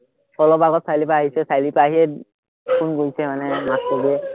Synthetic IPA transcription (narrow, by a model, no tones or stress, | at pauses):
pʰɔlɔpaɡɔtsajlipaːɦisɛsajlipaːɦiɛ | kʰunɡoisɛmanɛmaskoɡiɛ